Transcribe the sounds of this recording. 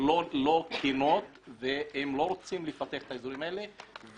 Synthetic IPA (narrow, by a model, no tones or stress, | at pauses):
olo̞kʰino̞t̪veemlo̞ɾot͡simlefat̪eaχe̥t̪aezuʁimaelev